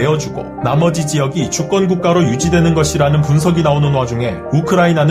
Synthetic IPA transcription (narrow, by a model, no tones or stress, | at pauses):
eʌd͡ʑuɡo̰namʌd͡ʑid͡ʑijʌɡit͡ɕuk͈ʌnɡuk̚k͈aɾojud͡ʑidwe̞nɯnɡʌɕʰiɾanɯnpuns̬ʰʌɡinaonɯnwad͡ʑuŋɦe̞̰ | ukʰɯɾainanɯ